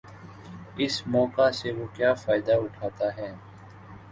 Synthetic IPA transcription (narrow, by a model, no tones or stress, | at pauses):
ɪsmɔːkaseʋoːkjaːfaːɪd̪aʊʈʰaːt̪aɦɛː